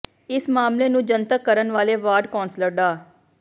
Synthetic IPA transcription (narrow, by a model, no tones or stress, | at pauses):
ɪsmaːmleːnũːd͡ʒənt̪əkːəɾənʋaːleːʋaːɾɖkɔːnsləɾɖaː